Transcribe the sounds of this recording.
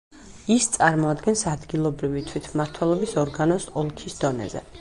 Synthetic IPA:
ist̪sʼaɾmɔad̪ɡɛnsad̪ɡilˠɔbɾivit̪ʰwit̪ʰmaɾt̪ʰwɛlˠɔbisɔɾɡanɔsɔlˠkʰisd̪ɔnɛ̰zɛ̰

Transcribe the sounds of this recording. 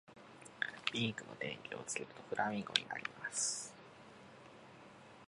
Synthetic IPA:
bʲĩŋkɯ̟no̞̰d̪ẽ̞ŋkʲio̞t͡sɨ̥keɾɯ̟t̪o̞ɸɯ̟ɾʔamʲĩŋɡo̞ɲ̟ia̰ɾʲimasɨ̥

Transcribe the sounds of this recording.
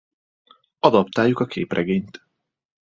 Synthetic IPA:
ɒd̪ɒpt̪aːjːukɒkʰḛːprɛɡeːɲt̪

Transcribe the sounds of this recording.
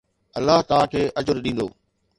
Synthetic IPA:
ɐlːaɦt̪ɐʋ̤ãkʰeːʔɐd͡ʑʊɾɗĩːnd̪o̰ː

